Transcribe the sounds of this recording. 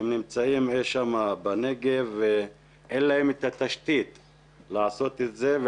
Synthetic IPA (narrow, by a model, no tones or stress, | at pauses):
emnimt͡saimeʃamabaneɡeve | enlahemet̪at̪aʃt̪it̪ | laaso̞t̪et̪ze̞v